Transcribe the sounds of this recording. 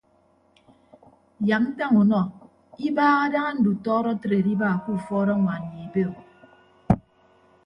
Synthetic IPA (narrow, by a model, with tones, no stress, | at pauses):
ja˨k̚n̩˦ta˦ŋu˨nɔ˦ | i˦baː˦ɣa˦da˦ŋa˦n̩˦du˨tɔː˦ɾɔ˦tɾe˨ɾi˦ba˦˨ku˦˨fɔː˦ɾɔ˦ŋʷa˨n˨ji˨be˦o˨